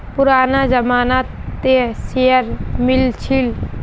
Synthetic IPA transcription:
pʊɾaːnazəmaːnat̪esejəɾmɪlt͡ʃʰɪl

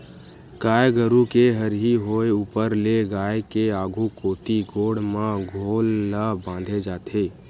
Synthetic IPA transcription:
kaːjɡəɾukeɦəɾɦiɦoːeuːpəɾleɡaːekeaːɡʱukoːt̪iɡʱoːɽmãɡʱoːlːabãːnd̪ʱed͡ʒaːt̪ʰeː

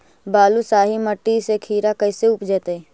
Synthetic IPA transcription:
baːlusaːɦiməʈːisekʰiːɾakəɪseʊpd͡ʒɛːt̪e

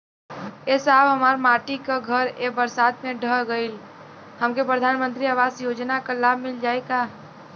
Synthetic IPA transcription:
esaːbɦəmaːɾmaːʈikaɡʱəɾebəɾsaːd̪mẽɖʱəɡəɪl | həmkepɾəd̪ʱaːnmə̃nt̪ɾiaːʋaːzjoːd͡ʒnakalaːb̚ʱmɪld͡ʒaːeɡaː

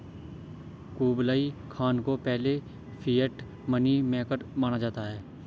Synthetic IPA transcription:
kuːblaːikʰaːnkopɛɦle | fʰiːəʈ | mənimẽkəɾmaːñad͡ʒaːt̪aɦɛː

